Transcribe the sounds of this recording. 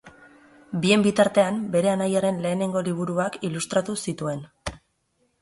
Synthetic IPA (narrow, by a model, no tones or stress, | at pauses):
bie̞mbit̪aɾt̪e̞ambe̞ɾe̞anajaɾe̞nle̞ːne̞ŋɡo̞liβ̞uɾuakilust̪ɾat̪usit̪ue̞n